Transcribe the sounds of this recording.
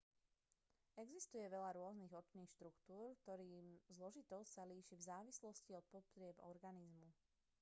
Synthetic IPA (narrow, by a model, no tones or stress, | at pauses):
ɛɡzist̪ujɛʋɛʎaɾʊɔzniːɣɔt͡ʃniːxʃt̪ɾukt̪uːɾkt̪ɔɾiːmzlɔʒit̪ɔsaliːʃivzaːʋislɔsciɔt̪̚pɔt̪ɾɪɛbɔ̰ɾɡanizmu